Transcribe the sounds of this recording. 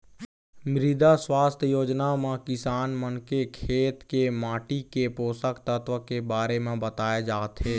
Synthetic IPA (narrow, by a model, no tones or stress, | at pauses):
mɾɪd̪aswaːst̪ʰjoːd͡ʒnamẽkɪsaːnmənkekʰeːt̪kemaːʈikepoːsəkt̪ət̪wəkebaːɾemẽbət̪aːjed͡ʒaːt̪ɦɛː